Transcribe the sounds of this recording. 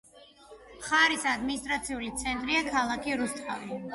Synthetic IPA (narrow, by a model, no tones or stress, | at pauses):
χaɾisad̪minist̪ʼɾat̪sʰiulit̪sʰɛnt̪ʼɾiakʰalˠakʰiɾust̪ʼʰa̰vi